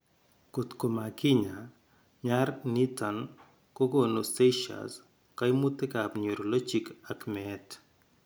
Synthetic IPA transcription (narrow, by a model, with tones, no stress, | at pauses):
ko˨t̪ko˨ma˨kɪ˦ɲa | ɲarni˦ta˨n | ko˦ɡono˨seʃa̰s | ka˦jmu˦t̪e˦kapɲo˨ɾo˨lo˦t͡ʃi˨kakmɛt